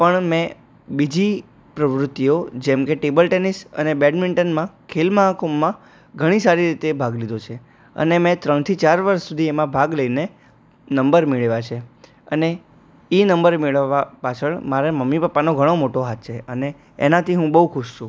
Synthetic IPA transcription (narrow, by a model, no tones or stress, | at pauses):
pəɳmɛ̃ | bid͡ʒi | pɾəʋɾʊt̪ːiod͡ʒemkeʈebəlʈenisə̰nebɛɖmɪɳʈənmãkʰelməɦakomːã | ɡʱəɽ̃isaɾiɾit̪ebʱaɡlid̪ot͡ʃʰe | ə̰nemɛ̃t̪ɾəɳ̃t̪ʰit͡ʃaɾʋəɾʃsud̪ʱiemãbʱaɡləine | nəmbəɾmeɭʋat͡ʃʰe | ə̰ne | inəmbəɾmeɭʋapat͡ʃʰəɳmaɾeməmːipəpːanoɡʱəɽ̃omoʈoɦat̪̚t͡ʃʰeəneː | nat̪ʰiɦũbəɦukʰʊʃʃũ